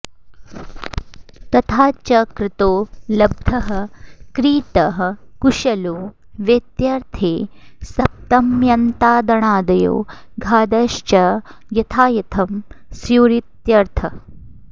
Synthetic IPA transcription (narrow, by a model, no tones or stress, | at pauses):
t̪ɐt̪ʰaːt͡ʃɐkɾɪt̪oːlɐb̚d̪ʱɐɦɐ̆kɾiːt̪ɐɦɐkuʃɐloː | ʋjɐt̪jɐɾt̪ʰeːsɐp̚t̪ɐmjɐnt̪aːd̪ɐɳaːd̪ɐjo̰ːɡʱaːd̪ɐʃt͡ʃɐ | jɐt̪ʰaːjɐt̪ʰɐmsjuːɾit̪jɐɾt̪ʰɐ